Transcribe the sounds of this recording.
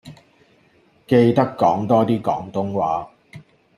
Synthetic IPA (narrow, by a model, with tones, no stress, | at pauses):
ke˧jt̪ɐ˥kːɔː˨˥ŋt̪ɔː˥t̪iː˥kɔ̰ː˨˥ŋt̪ʊ˥ŋwaː˨˥